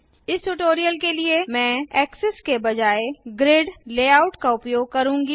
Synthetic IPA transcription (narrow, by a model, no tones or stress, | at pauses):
ɪsʈuʈoːɾijəlkeliemɛ̃ːɛːksɪskebɐd͡ʒaːeɡɾeːɖleːaːʊʈkaʊpjoːɡ̚kɐɾũːŋɡi